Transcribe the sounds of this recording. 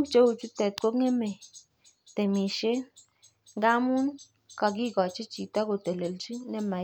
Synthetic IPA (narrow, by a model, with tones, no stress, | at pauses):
kt͡ʃe˦u˨t͡ʃu˦t̪ɛ˨t̪̚ko˦kŋɛ˦me˨ | t̪e˨mi˨ʃe˦ | ŋɡa˦mu˦n | ka˨ɡ̬i˦˨kɔ˨t͡ʃe˦t͡ʃi˨t̪a˦ko˨t̪e˨le˨lt͡ʃi˦nɛ˦ma˨